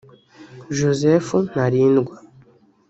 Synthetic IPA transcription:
ʒozefunaɾiːnɡwa

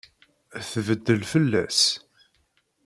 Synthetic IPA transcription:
θvəd̪ːəlfəlːæ̰s

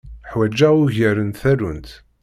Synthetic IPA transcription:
ħwæd͡ʒːæʁuʝəɾənt̪θæɾə̰nt̪

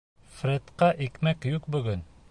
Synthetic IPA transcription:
frʲet̪qɑʔikmækjuqbɵ̆ɡɵn

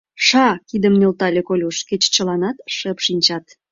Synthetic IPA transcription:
ʃɑkid̪əmnølt̪ɑlʲekolʲuʃket͡ɕt͡ɕəlɑnɑt̪ʃəpʃinʲt͡ɕɑt̪

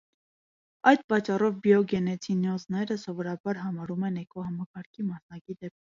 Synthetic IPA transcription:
ɑjd̪̚pɑt͡ʃːɑrɔvbijɔɡɛnɛt͡sʰinɔznɛɾəsɔvɔɾɑbɑɾɦɑmɑɾumɛnɛkɔhɑmɑkɑɾkʰimɑsnɑkid̪ɛp̚

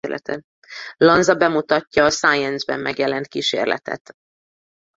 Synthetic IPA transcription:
lʔɛ̰t̪ʰɛ | lɒnzɒbɛmut̪ɒcːɒːsaːjɛnzbɛ̰mːɛɡjɛlɛnt̪̚kiːʃḛːrlʔɛ̰t̪ɛ̰t̪

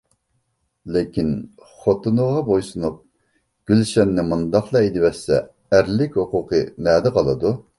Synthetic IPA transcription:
lekʲʰin | χot̪unʊʁɑbojsunup̚ | ɡ̥ʲylʃɛnːɪmund̪ɑχlˠɑed̪ɪwɛsɛ̰ː | ɾlɪkʲhʊqʊqʰəmɛːd̪ɪqʰɑlˠɨd̪u

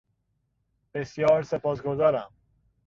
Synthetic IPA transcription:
b̥e̞sjɒːɾse̞pʰɒːsɡo̞zɒːɾæm

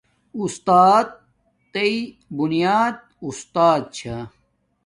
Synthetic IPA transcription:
ust̪aːd̪̚ː | ei | bunijaːd̪̚ | ust̪aːd̪̚t͡ɕʰa

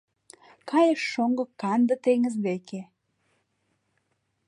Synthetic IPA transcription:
kɑjəʃːoŋɡokːɑnd̪ə̆t̪eŋəzd̪eke

